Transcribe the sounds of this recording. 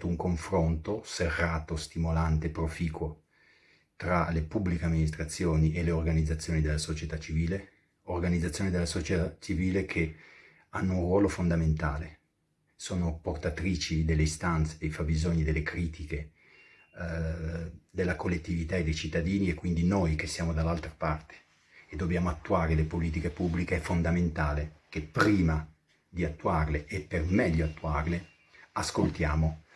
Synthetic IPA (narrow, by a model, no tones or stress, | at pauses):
t̪ouŋkoɱfɾont̪oserːaːt̪ost̪imolant̪epɾofiːkwo | t̪ɾalepubːlikeamːinist̪ɾat̪sːjoːniʔeleorɡanid̪zat̪sːjoːnid̪elːasot͡ʃet̪at͡ʃːiviːle | orɡanid̪zat̪sːjoːnid̪elasot͡ʃetat͡ʃiviːlekʰe | anːounrwɔːlofond̪ament̪aːle | soːnoport̪at̪ɾiːt͡ʃid̪elːeist̪ant̪sed̪ejfabizoɲːid̪elːekɾiːt̪ʰike | d̪elːakolːet̪ːivit̪aed̪ejt͡ʃit̪ːad̪iːniekːwind̪inojk̟esːjaːmod̪alːalt̪ɾḁpart̪e̥ | ed̪ːobjaːmoat̪ːuaːɾelepoliːt̪̬ikepubːlikeɛfond̪ament̪aːlekepːɾiːma | d̪iat̪ːuarleʔepːermɛʎːoat̪ːuarle | askolt̪jaːmo